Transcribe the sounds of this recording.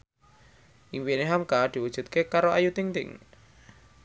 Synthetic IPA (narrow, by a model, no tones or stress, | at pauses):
ʔiŋwineɦamkad̪̥i̤wud̥ʒ̥ṳt̪̚kekaɾoʔajut̪ɪŋt̪ɪ̰ŋ